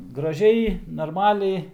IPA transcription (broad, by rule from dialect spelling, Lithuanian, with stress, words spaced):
ɡrɐˈʒʲɛɪ nɐrˈmɑːlʲɛɪ